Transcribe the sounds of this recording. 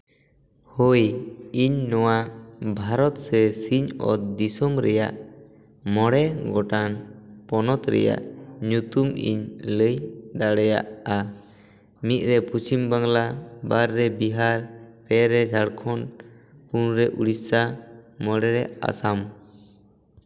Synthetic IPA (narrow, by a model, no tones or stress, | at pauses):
hojiɲnɔwabʱaɾɔt̪sɛsiɲɔ̰t̪d̪isɔmɾɛjaʔ | mɔɽɛɡɔʈanpɔnɔt̪ɾɛ̰ja̰ʔɲut̪umḭɲləjd̪aɽɛja̰ʔa | mit̪̚ˀɾɛpusimbaŋlabaɾːɛbiɦaɾpɛɾɛd͡ʒʱaɽkʰɔn | punɾɛʔuɽisamɔɽɛɾɛa̰sam